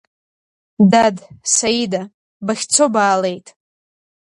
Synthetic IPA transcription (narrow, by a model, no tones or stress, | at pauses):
dadsajida | baχʲt͡sʷʰo̞baːle̞jtʼ